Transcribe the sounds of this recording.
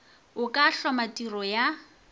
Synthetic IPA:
ʊkʼaɬɔmatʼirɔja

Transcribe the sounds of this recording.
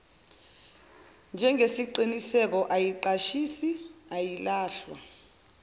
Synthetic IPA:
nd͡ʒʱɛŋesiǃinisɛk̬ɔʔajiǃaʃisiajilaːɬwa̰

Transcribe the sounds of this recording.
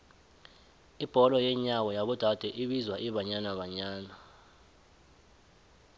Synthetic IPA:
ib̥ʱɔlɔjɛɲawɔjaɓud̥ʱad̥ʱɛʔiɓizwaʔiɓaɲanaɓaɲaːna

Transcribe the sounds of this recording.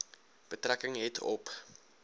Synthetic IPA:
b̥ətrækəŋɦɛtʰɔ̰p

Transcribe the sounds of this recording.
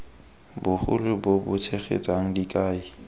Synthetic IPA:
bʊχʊ̰lɪbobʊtʰeχḛt͡sʼaŋ̩dikʼaːi

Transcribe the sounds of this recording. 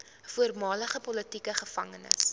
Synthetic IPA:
fuərmɑːləχəpɔlətikəχəfɐ̰ŋənə̰s

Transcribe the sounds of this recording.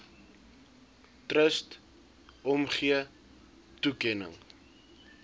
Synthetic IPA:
trəst | ɔmχiə | tukɛnə̰ŋ

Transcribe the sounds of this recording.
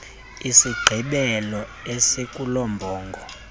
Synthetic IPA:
isiɡ͡ǃʱiɓɛlɔɛsekʼulɔmbʱɔːŋɡʱɔ

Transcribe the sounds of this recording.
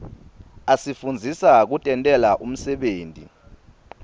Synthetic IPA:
asifund͡zʱisak̬utʼɛntʼɛlaʔum̩sɛɓeːntʼḭ

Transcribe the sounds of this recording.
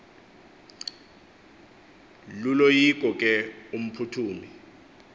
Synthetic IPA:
lulojik̬ʼɔkʼɛum̩pʰutʰuːmi

